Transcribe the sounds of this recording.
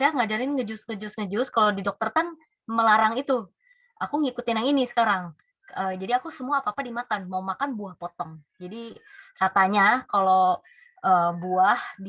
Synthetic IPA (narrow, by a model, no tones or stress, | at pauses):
sajaŋad͡ʒaɾɪnŋəd͡ʒʊsŋəd͡ʒʊsŋəd͡ʒʊskalodidɔk̚t̪ərt̪an | məlaɾaŋit̪u | ʔakuŋikut̪ɪnaŋinisə̥kaɾaŋ | əd͡ʒadiakusəmuaːpaːpadimakanmaumakanbuahpɔt̪ɔŋd͡ʒadikat̪aɲakalo | ʔəːbuahd